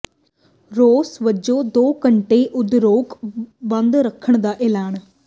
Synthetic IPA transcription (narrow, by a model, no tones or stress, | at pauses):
ɾoːsʋəd͡ʒod̪oːkəɳʈeʔʊd̪ɾoːkʋə̃nd̪ɾəkʰəɽ̃d̪aːʔeːlaːn